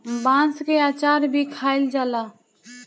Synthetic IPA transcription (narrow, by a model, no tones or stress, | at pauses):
bãskeat͡ʃaɾbʱikʰaeld͡ʒaːla